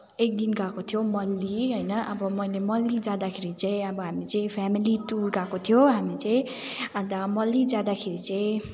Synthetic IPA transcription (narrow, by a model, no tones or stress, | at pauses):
ek̚d̪inɡakot̪ʰjomʌlːiɦʌjnʌʔʌbʌmʌjlemʌlːid͡zãd̪akʰeɾit͡saĩʌbʌɦamit͡saĩpʰamiliʈurɡakot̪ʰijoɦamit͡saĩ | ʌt̪amʌlːid͡zãd̪akʰeɾit͡saĩ